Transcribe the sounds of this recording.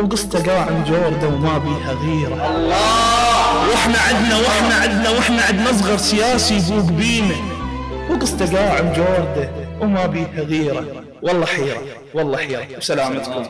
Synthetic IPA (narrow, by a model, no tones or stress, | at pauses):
wɡɨsˤt̪aɡaːʕɪmd͡ʒoːɾˤd̪awmabiːhaɣiːɾa | wʔɪħnaʕɪd̪nawɪħnaʕɪd̪nawɪħnaʕɪd̪mɑzˤɣɑɾˤsɪjaːsibuːɡbiːnawɡɨsˤt̪aɡaːʕɪmd͡ʒoːɾd̪awmabiːhaɣiːɾa | wɑlˤːɑːħiːɾɑ | wɑlˤːɑħiːɾɑwsalaːmat̪kʊm